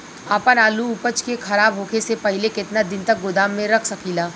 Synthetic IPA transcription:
ɐpənaːluʊpət͡ʃkekʰɐɾaːbɦoːkʰesepɐɦɪlekɪt̪nad̪ɪnt̪ɐk̚ɡʊd̪aːmːẽɾɐkʰsɐkiːlaː

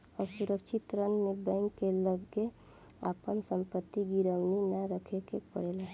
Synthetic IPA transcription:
ɔːɾsuɾəkʃʰɪt̪ɾənmebɛ̃ːŋkːeləɡe | apənsə̃mpət̪ːiɡiɾəwninaɾəkʰekepə̰ɽela

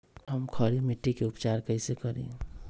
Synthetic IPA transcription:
ɦəmkʰəɾimiʈːikeʊpt͡ʃaːɾkəɪsekəɾḭ̃

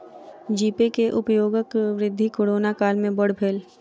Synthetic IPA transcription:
d͡ʒiːpekeʔʊpjoːɡəkʋɾɪd̪ʱːikoːɽoːnakaːlmẽbəɽ̤bʰʱeːl

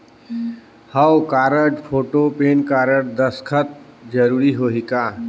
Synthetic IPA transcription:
həwkaːɾəʈpʰoːʈopeːnkaːɾəʈd̪əskʰət̪̚ | d͡ʒəɾuːɾiɦoːɦikaː

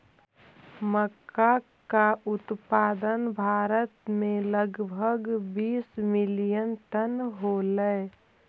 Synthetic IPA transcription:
məkːa | kaʔʊt̪paːd̪ənbʱaːɾət̪mẽləɡbʱəɡbiːsmɪlijənʈənɦoləe

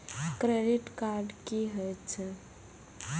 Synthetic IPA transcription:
kɾeɖiʈkaɾɖkiɦəjt͡ʃʰɛ

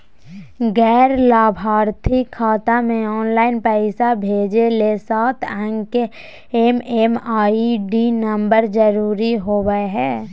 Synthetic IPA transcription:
ɡɛːɾlaːbʱaːɾt̪ʰikʰːaːt̪amẽɔːnlaːɪnpɛɪsabʱeːd͡ʒelesaːt̪ʰə̃ŋke | emeːmaːiɖinəmbəɾd͡ʒəɾuːɾiɦoːwəeɦɛː

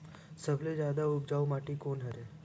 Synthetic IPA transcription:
səbled͡ʒad̪aub̚d͡ʒaʋumaʈikonɦəɾe

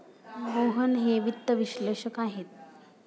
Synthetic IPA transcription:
ɡoɦənɦeʋit̪ːəʋiɕleʂəkaɦet̪̚

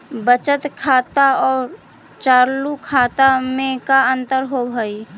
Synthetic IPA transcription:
bət͡ʃət̪kʰaːt̪aɔːɾ | t͡ʃaːɾlukʰaːt̪amẽkaə̃nt̪əɾɦobʱəi

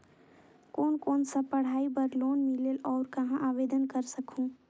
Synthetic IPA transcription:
koːnkoːnsəpɐɽ̤aːibəɾloːnmɪleːlɔːɾkɐɦãʔaːʋeːd̪ənkəɾsəkʰũː

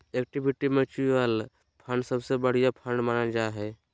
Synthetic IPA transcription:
ek̚ʈibʱiʈimẽt͡ʃuiʋal | pʰəɳɖsəbsebəɽ̤ijapʰəɳɖmaːnad͡ʒaɦɛː

